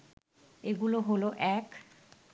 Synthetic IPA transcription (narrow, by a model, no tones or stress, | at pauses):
eɡuloɦoloʔɛk